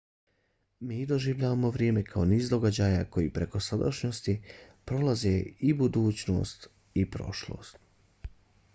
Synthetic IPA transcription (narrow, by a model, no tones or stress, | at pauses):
miːd̪oʒiːʋʎʲaːʋamoʋɾʲjeːmekʰaoniːzd̪o̞ɡad͡ʑaːjako̞jiːpɾe̞ko̞sad̪a̰ʃɲost̪ipɾo̞lazeibud̪uːt͡ɕno̰ːst̪ | ipɾo̞̰ʃlo̞̰ːst̪